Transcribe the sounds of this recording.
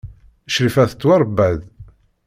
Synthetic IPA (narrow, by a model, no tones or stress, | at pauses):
ʃɾifæθə̥t͡s̪ːwɑɾˤbæð